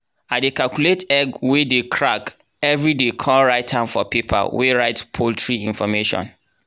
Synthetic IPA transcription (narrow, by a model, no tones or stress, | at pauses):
adekalkuletɛɡwedekʰɹak | ɛvɹidekʰɔɹaɪtʰãnfɔpipʰa̰lweɹaɪtpʰoltʰɹiĩnfɔmeʃɔ̰̃n